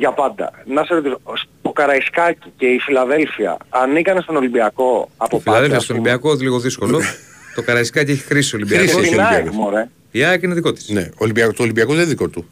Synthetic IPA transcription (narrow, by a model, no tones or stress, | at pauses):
ʝɐpɐnd̪ɐ̰nɐseɾot̪isost̪okɐɾɐiskɐci̥ceifilɐðe̞lfiɐ̰ːnikɐnest̪o̞no̞limbiɐko̞ɐpoofilɐðelfiɐstolibiɐkoezliɣoðisko̞lo̞t̪o̞kɐɾɐiskɐcieçi̥xɾisio̞limbiɾɐisoeionaikmoɾe | iɐkineðiko̞t̪i̥snḛolimbiɐkot̪olimbiɐkoðeðikot̪u